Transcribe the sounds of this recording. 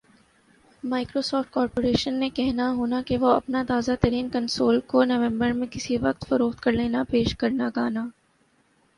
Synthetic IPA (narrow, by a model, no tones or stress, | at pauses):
maːɪkɾoːsɔːfʈ̚kɔːɾpoːɾeːʃənːẽkɛɦnaɦoːnakeʋoɐ̰pnat̪aːzat̪ɐɾiːnkɐ̃nsoːlkonɐʋɛ̃mbəɾmẽkɪsiʋɐqt̪fʊɾoːxt̪kɐɾleːnapeːʃkɐɾnaɡaːnaː